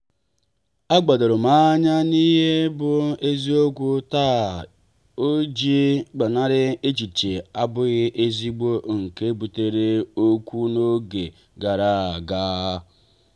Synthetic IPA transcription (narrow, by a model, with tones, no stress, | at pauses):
a˦ɡ͡ba˨do˨ɾʊ˨ma˦ɲa˦ni˦ɦe˦bʊ˨e˦zi˦o˦ɡʷu˦taː˦˨ | o˦d͡ʒi˦ɡ͡ba˨na˦ɾɪ˦e˦t͡ʃi˨t͡ʃe˨a˦bʊ˦ɣɪ˦ʔe˦zi˦ɡ͡bo˦ŋ̩˨ke˦bu˨te˨ɾe˦o˦kʷu˦no˦ɡe˨ | ɡa˨ɾa˦˨ɡa˦ɦa˦